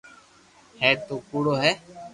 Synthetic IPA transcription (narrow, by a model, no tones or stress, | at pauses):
hɛːt̪oːkuːɽoːɦɛː